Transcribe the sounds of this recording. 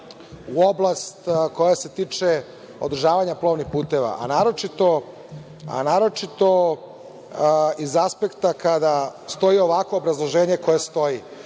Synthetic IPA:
uo̞blˠast̪ko̞jase̞t̪iːt͡ʃe | o̞̰d̪r̩ʒaːʋaɲaplˠo̞ʋnixpuːt̪e̞ʋa̰ʔa̰naːɾo̞t͡ʃit̪o̞ | a̰naːɾo̞t͡ʃit̪o̞ | izaspe̞kt̪akad̪ast̪o̞jio̞ʋako̞ːbɾazlˠo̞ʒe̞ːɲe̞ko̞jest̪o̞ji

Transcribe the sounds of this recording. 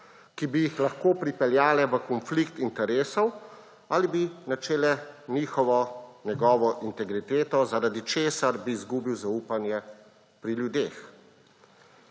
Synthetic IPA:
kibijixlaxkoːpɾipɛljaːlɛʋəkɔnflikt̪int̪ɛɾeːsɔw | aːlibinat͡ʃeːlɛniːxɔʋɔnjɛɡɔːʋɔʔint̪ɛɡɾit̪eːt̪ɔzaɾad̪it͡ʃeːsaɾbiːzɡuːbiwzauːpanjɛ | pɾiljud̪eːx

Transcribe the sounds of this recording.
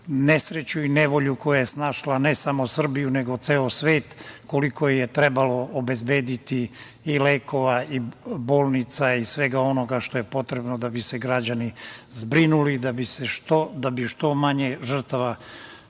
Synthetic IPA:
nesɾe̞t͡ɕuine̞ʋo̞ʎuko̞jajesnaːʃlanesamo̞sr̩bijune̞ɡo̞t̪seːosʋeːt̪ko̞liko̞jje̞t̪ɾe̞balo̞obe̞zbe̞ːd̪it̪iː | leːkʰo̞ʋaiboːlˠnit̪saisʋe̞ɡao̞no̞ɡaʃt̪o̞je̞po̞t̪ɾe̞bno̞d̪abiseɡɾad͡ʑanizbɾinulid̪abiseʃt̪od̪abiʃt̪o̞maɲe̞ʒr̩t̪aʋa

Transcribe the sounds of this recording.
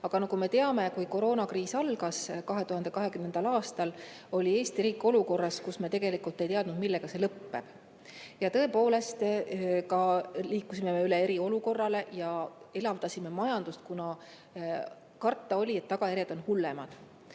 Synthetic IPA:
ɑɡ̥ɑnɑkume̞t̪e̞ɑme̞kujko̞ɾo̞ːnɑkriːsɑlɡ̥ɑskɑɦe̞t̪uhɑnd̪e̞kɑɦe̞kymnend̪̥ɑlɑːst̪ɑl | o̞lʲie̞ːst̪iɾiːkːˑo̞luko̞rːɑskusme̞t̪e̞ɡe̞likult̪ːˑe̞jt̪eɑd̪̥nud̪milːe̞ɡ̥ɑse̞lɤpːe̞b̥ | jɑt̪ɤ̞e̞poːle̞st̪kɑliːkːˑusime̞meyle̞e̞ɾio̞luko̞rːɑle̞jɑe̞lɑvd̪̥ɑsʲime̞mɑjɑnd̪̥ust̪kunɑ | kɑrt̪ːˑɑo̞lʲiet̪ːɑɡ̥ɑjæɾjed̪̥o̞nhulːe̞mɑd̪̥

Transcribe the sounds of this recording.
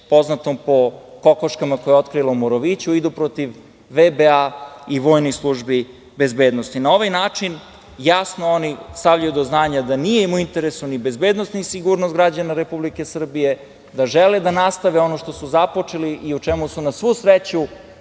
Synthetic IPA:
po̞znat̪ompo̞ko̞koʃkamakojeo̞t̪kɾilˠoumoɾoʋit͡ɕuid̪upɾo̞t̪iʋː | ebeaiʋo̞ːjnojslˠuʒbi | be̞zbeːd̪nost̪inao̞ʋajnaːt͡ʂin | jasnoonist̪aʋʎajud̪oznaːɲad̪anijeimuint̪eɾesunibe̞zbed̪nost̪nisiɡuɾnost̪ɡɾad͡ʑanaɾepublike̞sr̩bije̞ | d̪aʒeled̪anast̪aʋeo̞noʃt̪o̞suzapo̞t͡ʂeliʔiut͡ʃɛmusunasʋusɾet͡ɕu

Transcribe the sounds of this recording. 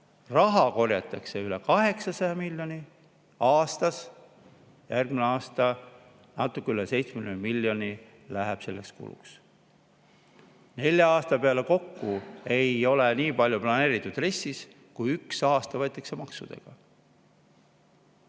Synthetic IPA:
rɑɦɑko̞rjɑt̪ːˑɑkseyle̞kɑɦe̞ksɑsɑjɑmilʲjo̞ni | ɑːst̪ɑs | jærɡmineɑːst̪ɑ | nɑt̪ːˑukːeylese̞jt̪smelnmilʲːjo̞nʲi | læɦeb̥se̞lːe̞kskṵlṵks | ne̞lʲjɑɑːst̪ɑpe̞ɑle̞ko̞kːue̞jo̞leniːpɑlʲjuplɑne̞ːɾit̪ːˑud̪̥re̞sːis | kujyksɑːst̪ɑvɤjt̪ːˑɑkse̞mɑksṵd̪̥ḛɡ̥ɑ

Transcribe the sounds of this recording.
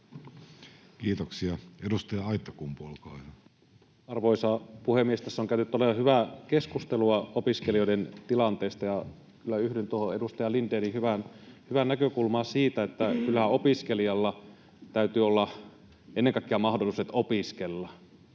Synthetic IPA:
kiːt̪oksiɑedust̪ɑjɑɑit̪ːˑokumpolkɑiɑ | ɑrʋoisɑpuhemiest̪æsːoŋkæynyt̪ːoleʋɑhyʋækeskust̪eluɑopiskeliojdent̪ilɑnt̪eːst̪ɑjɑ | kylːæyhdent̪uohoedust̪ɑjɑlindeːnihyʋænhyʋænækøkulmɑːsiːt̪æet̪ːækylːæhæopiskeliɑlːɑ | t̪æyt̪yːolːɑ | enːeŋkɑˑikːeɑmɑhdolˑiset̪opiskelːɑ

